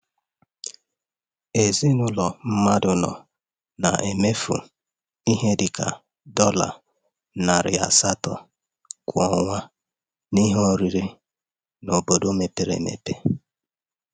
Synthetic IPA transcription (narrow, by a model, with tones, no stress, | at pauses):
e˨zi˦nʊ˦lɔ˨m̩˦ma˦dʊ˨nɔ̰˨ | na˨ʔe˨me˦fṵ˨ | i˦ɦe˦dɪ˨ka̰˨ | dɔ˦la̰˨ | na˨ɾɪ̰˨a̰˨sa˦tɔ̰˨ | kʷɔ˨ŋʷa˦ | ni˦ɦo˦ɾi˨ɾi˦ | no˨bo˨do˦me˨pe˦ɾḛ˨mḛ˨te˦